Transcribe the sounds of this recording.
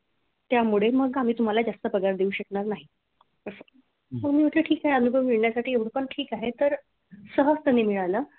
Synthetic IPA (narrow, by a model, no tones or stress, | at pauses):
t̪jamuɭeməɡam̤iːt̪um̤alad͡zast̪əpəɡaɾd̪euːɕəkɳaɾnaɦi | əsə | məɡmiːəʈ̪leʈʰiːkaɦeənubʱəmmiɭɳjasaʈʰiːeʋɽ̤pəɳʈʰiːkaɦet̪əɾ | səɦəst̪ənimiɭaləː